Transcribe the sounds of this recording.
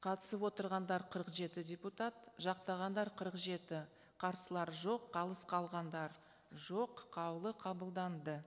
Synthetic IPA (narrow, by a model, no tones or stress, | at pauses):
qʰɑt̪ə̥səpwo̞t̪əɾʁɑnd̪ɑɾqʰəɾəqʒe̞t̪ɪdʲe̞put̪at̪ʒɑqt̪ɑʁɑnd̪ɑɾqʰəɾəqʒe̞t̪ɪ | qʰɑɾsəlˠɑɾʒo̞qʰːɑlˠəsqʰɑlˠʁɑnd̪ɑɾ | ʒo̞qʰːɑwlˠəqʰɑbəlˠd̪ɑnd̪ə